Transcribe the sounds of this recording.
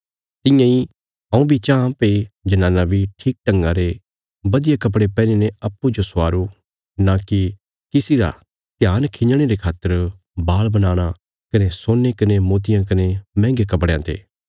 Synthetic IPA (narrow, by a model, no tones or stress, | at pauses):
t̪ɪ̃jãi | ɦɐ̃ũbʱit͡ʃããpeid͡ʒɐnãːnãbʱiʈʰiːk̚ʈɐ̃ŋɡãɾe | bɐd̪ɪjakɐp̬ɽepɛ̃ːneneɐpːud͡ʒosʊaːɾu | nãki | kɪsiɾa̰ | t̪jaːnkʰɪ̃ɲəɽ̃eɾekʰaːt̪ːəɾ | baːɭbɐnaːɽ̃a | kɐnesoːnːekɐnemoːt̪̬ɪjãkɐnemɛ̃ːŋɡekɐp̬ɽejãːt̪ḛː